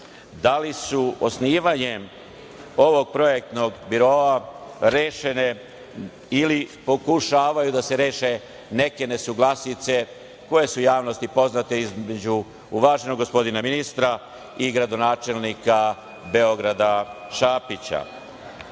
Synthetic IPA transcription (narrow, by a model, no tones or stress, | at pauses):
d̪alisuo̞sniːʋaɲe̞m | o̞ʋo̞ɡ̚pɾo̞je̞k̚t̪no̞ɡbiɾo̞aɾeːʃe̞ne̞ | ilipo̞kuʃaːʋajud̪ase̞ɾe̞ːʃe̞ | ne̞ke̞ne̞suɡlasit̪se̞ | ko̞je̞sujaːʋno̞st̪ipo̞znat̪eizmed͡ʑu | uʋaːʒenoɡo̞spo̞d̪inaminist̪ɾa | iɡɾad̪o̞naːt͡ʃe̞lnika | be̞o̞ɡɾad̪aʃaːpit͡ɕa̰